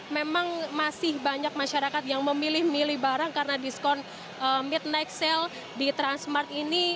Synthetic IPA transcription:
memaŋmasɪhbaɲak̚maʃaɾakat̪̚jaŋməmilɪhmilɪhbaɾaŋkaɾənadiskɔn | əmɪt̪̚najk̚sɛl | dit̪ɾansmart̪ini

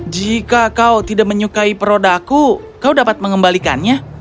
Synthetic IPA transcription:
d͡ʒikakawt̪idak̚məɲukaipəɾodaku | kawdapat̪̚məŋəmbalika̰nɲa

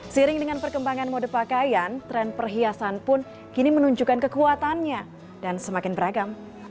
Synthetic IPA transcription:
siɾɪŋdəŋanpərkəmbaŋanmodəpakajant̪ɾɛnpərɦiasanpʊn | kinimənuɲd͡ʒukankəkuat̪anɲa | dansəmakɪnbəɾaɡam

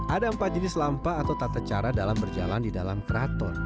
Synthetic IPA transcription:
ʔadaəmpad͡ʒənɪslampaːt̪awt̪at̪at͡ʃaɾadalambərd͡ʒa̰landidalamkəɾat̪ɔn

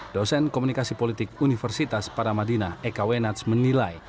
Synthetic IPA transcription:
d̥ɔsɛnkomunikasipolit̪ɪkunifərsit̪aspaɾamadinaekawenat̪smənilaj

